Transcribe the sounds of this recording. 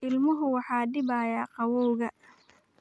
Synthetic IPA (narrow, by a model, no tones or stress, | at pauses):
ɪlmʊɦʊwɑħɑːɖɪbaːjaːqɑwɔwɣɐ